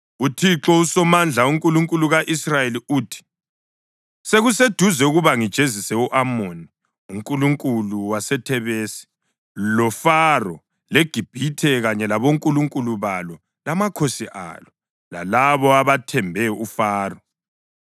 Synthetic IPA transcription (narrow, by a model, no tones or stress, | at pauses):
utʰiǁɔusɔmand͡ɮʱauŋkʼuluŋkʼuluɣaʔisrajeliuːtʰi̥ | seɣused̥ʱuzɛuɣuβaŋid̥ʒ̥ʱezisɛuʔamoni | uŋkʼuluŋkʼuluwasɛtʰɛβeːsi̥ | lɔfarɔ | leɡ̥ʱib̥ʱitʰɛɣaɲɛlaβoŋkʼuluŋkʼuluβalɔ | lamakʰosiʔa̰lɔ | la̰laβɔaβatʰɛmbʱɛufaːrɔ